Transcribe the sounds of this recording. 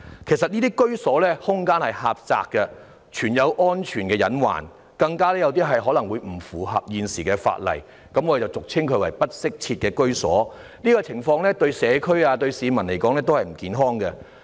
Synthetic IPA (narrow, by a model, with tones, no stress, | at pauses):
kʰe˨˩jsɐ˨t̚niː˥t̪iː˥kɵ˥ɥsɔː˨˥lɛː˥hʊ˥ŋkaː˥nhɐ˨jhaː˨p̚t͡sa̰ː˧kːɛ˧ | t͡ʃʰyː˨˩njɐ˨˧wʔɔː˥nt͡ʃʰyː˨˩nkɛː˧jɐ˨˥nwa̰ː˨˩n | kɐ˧ŋkaː˥lɛː˥jɐ˨˧wt̪̬iː˥ɦɐ˨jɦɔː˨˥lɐ˨˩ŋwuː˨˧jm̩˨˩fuː˨˩ɦɐ̰˨p̚jiː˨nsiː˨˩kɛː˧fa̰ː˧t̚lɐ̰˨˩j | kɐ˨˥mwɔː˨˧de˨˩t͡sɐ˨˩wt͡sʊ˨k̚t͡sʰɪ˥ŋkʰɵ˨˧ɥwɐ˨˩jpɐ˥t̚sɪ˥k̚t͡sʰiː˧t̚kɛː˧kɵ˥ɥsɔː˨˥nliː˥kɔ˧t͡sʰɪ˨˩ŋfɔː˧ŋlɛː˥t̪ɵ˧ɥsɛː˨˧kʰɵ˥ɥaː˧t̪ɵ˧ɥsiː˨˧mɐ˨˩nle˨˩jkɔː˨˥ŋlɛː˥t̪o˥whɐ˨jm̩˨˩kiː˨nɦɔː˥ŋkɛ˧